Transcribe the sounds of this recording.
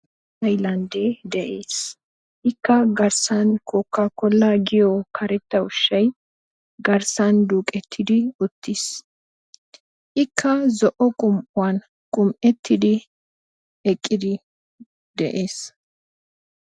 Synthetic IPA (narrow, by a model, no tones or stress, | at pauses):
ɐjlɐnd̪eːd̪ɛʔeːs | ʔɪkːɐɡɐɾsɐnkoːkːakɔlːaːɡɪjɔkʰɐɾɛt̪ːɐʊʃːɐj | ɡɐɾsɐnd̪uːkʼɛt̪ʰːɪd̪ɪʊt̪ːɪs | ʔɪkʰːɐzɔʔɔkʼʊmʔʊwan | kʼʊmʔɛt̪ːɪd̪ɪ | ɛkʼːɪd̪ɪ | d̪ɛ̰ʔeːs